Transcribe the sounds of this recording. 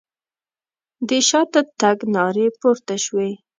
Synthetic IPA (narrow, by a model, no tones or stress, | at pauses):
d̪əʃɑt̪ət̪aɡnɑɾepoɾt̪aʃwe